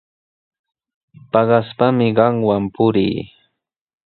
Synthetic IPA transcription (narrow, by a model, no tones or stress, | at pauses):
pɑɢɑspamɪɢɑŋwampʊɾḭː